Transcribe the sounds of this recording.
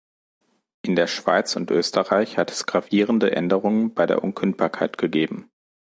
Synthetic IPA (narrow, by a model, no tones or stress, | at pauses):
ʔɪndeːɐʃv̥a̰ɪt͡sʊntʔøːstʰəʁaɪçhatʰɛ̥sɡ̥ʁaviːʁəndəʔɛ̰ndəʁʊŋənbaɪdḛːɐʔʊnkʰʏnt̚b̥aːɐkʰaɪtɡ̥əɡeːbm̩